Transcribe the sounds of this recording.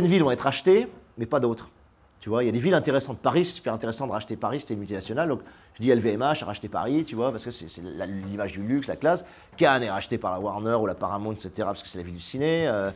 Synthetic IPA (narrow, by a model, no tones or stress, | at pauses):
ɛnd̪vilvɔ̃ɛt̪χʁaʃt̪emɛpad̪ot̪χ | t̪yvwailjad̪evilɛ̃t̪eʁɛsɑ̃t̪əpaʁisɛ̥sy̥pɛʁɛ̃t̪eʁɛsɑ̃d̪əʁaʃt̪epaʁise̥t̪ɛnmylt̪inasjɔnald̪ɔ̃k | ʒ̥əd̪iɛlveɛmaʃaʁaʃt̪epa̰ʁit̪yvwapaʁsəkəsɛsɛlalimaʒd̪ylykslaklas | kanɛʁaʃt̪epaʁlawaʁnœʁulapaʁamɔ̃ɛkset̪eʁapḁskə̥sɛlavild̪ysineø